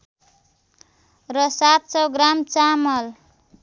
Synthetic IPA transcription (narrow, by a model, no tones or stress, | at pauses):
rʌsat̪̚sʌwɡramt͡samʌl